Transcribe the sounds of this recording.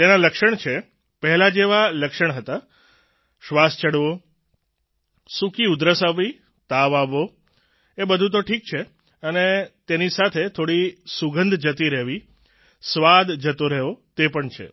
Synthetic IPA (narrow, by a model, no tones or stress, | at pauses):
t̪enaləkʃəɳt͡ʃʰe | pəɦɛlad͡ʒeʋaləkʃəɳɦət̪a | ʃʋast͡ʃəɽʋo | sukiud̪ɾəsaʋi | t̪aʋaʋo | ebəd̪ʱut̪̬oʈʰik̚t͡ʃʰe | ənet̪enisat̪ʰet̪ʰoɽisuɡənd̪ʱd͡ʒət̪iɾɛɦʋi | sʋad̪d͡ʒət̪oɾəɦʋot̪epəɳt͡ʃʰḛ